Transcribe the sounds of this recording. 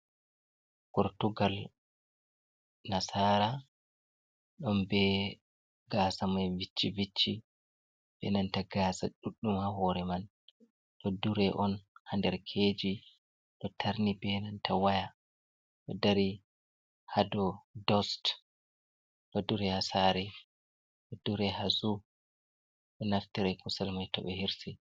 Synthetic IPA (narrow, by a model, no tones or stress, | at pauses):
kɔɾtuɡal | nasaːɾa | ɗɔmbɛ | ɡaːsamajvit͡ʃːivit͡ʃːi | bɛnantaɡaːsaɗuɗːumhaɦɔɾɛman | ɗɔduɾɛʔɔnhandɛɾkʰed͡ʒi | ɗɔtʰaɾnibɛnantʰawaja | ɗɔdaɾi | hadɔdɔst | ɗɔduɾɛhasaːɾi | ɗɔduɾɛhazu | ɗɔnaftiɾɛkusɛlmajtɔɓɛhiɾsi